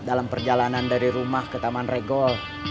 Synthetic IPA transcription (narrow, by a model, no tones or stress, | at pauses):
dalampərd͡ʒalanandaɾiɾumahkət̪amanrɛɡɔl